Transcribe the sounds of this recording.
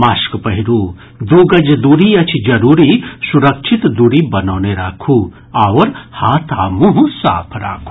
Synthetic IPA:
maːskpɐɦiɾuː | d̪uːɡɐd͡ʒd̪uɾiɐt͡ʃʰid͡ʒɐɾuːɾisuɾɐkʃʰit̪d̪uɾibɐnoːneɾakʰuː | aːʋɐɾhaːt̪ʰaːmuɦsa̰ːpʰɾa̰ːkʰu̥

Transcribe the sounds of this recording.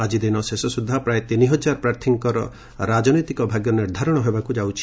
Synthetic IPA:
ad͡ʒid̪inɔsesɔsud̪ʱːapɾaet̪iniɦɔd͡ʒaɾpɾaɾt̪ʰiŋkɔɾɔ̰ | ɾad͡ʒɔnojt̪ikɔbʱaɡjɔniɾd̪ʱaɾɔɽ̃ɔɦebakud͡ʒawt͡ʃʰi̥

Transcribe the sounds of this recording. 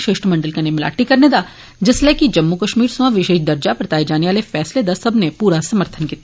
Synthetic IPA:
ʃeːʃʈəmɐ̃ɳɖəlkanemɪla̰ːʈːikɐɾned̪a | d͡ʒɪslɛːkid͡ʒɐmːukəʃmiːɾsuʋãʋɪʃeːʃd̪ɐɾd͡ʒapɾɐt̪aːed͡ʒaːneʋaːlefɛːsled̪asɐbʱnepuːɾasɐməɾt̪ʰənkiːt̪a

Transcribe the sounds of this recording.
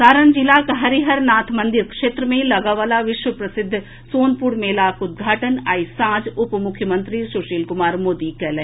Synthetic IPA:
saːɾənd͡ʒɪlakɦɐɾiɦɐɾnaːt̪ʰmɐ̃nd̪ɪɾkʃeːt̪ɾəmẽlɐɡaʋaːlaʋɪʃwəpɾɐsɪd̪ʱː | soːnpʊɾmeːlaːkʊd̪̚ɡʱaːʈənaːisãːd͡ʒʊpmʊkʰjəmə̃nt̪ɾisʊʃiːlkʊmaːɾmoːd̪ikɛːlɛ̃

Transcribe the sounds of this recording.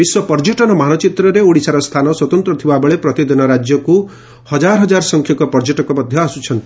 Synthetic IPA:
biswɔpɔɾd͡ʒeʈɔnɔmanɔt͡ʃit̪ɾɔɾeoɽisaɾɔst̪ʰanɔswɔt̪ɔnt̪ɾɔt̪ʰibabeɭepɾɔt̪id̪inɔɾad͡ʒjɔku | hʌd͡ʒaɾɔɦɔd͡ʒaɾsɔŋkʰjɔkɔpɔɾd͡ʒeʈɔkɔmɔd̪ʱjɔasut͡ʃʰʌnt̪i

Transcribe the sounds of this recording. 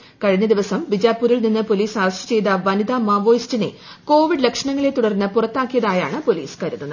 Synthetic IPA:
kɐɻiɲːɐd̪iʋɐsɐmʋid͡ʑaːpːuːɾilninːɨpo̞liːsaːrɐɕtɐ̥t͡ɕe̞jt̪ɐʋɐnid̪aːmaːʋo̞ːjstine̞̰ | ko̞ːʋiɖlekʂɐɳɐŋːɐɭe̞t̪ːuɽɐrnːɐpurɐt̪ːaːkːijɐðaːja̰ːɳɨpo̞lḭːskɐɾunːɐn

